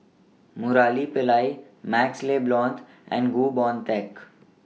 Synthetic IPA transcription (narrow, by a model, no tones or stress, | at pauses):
mʊɾaːlipɪlaːi | mɛːksleːblɔ̃ːnt̪ | ɛ̰̃ːnɖɡuːbɔ̃ːnt̪ɛk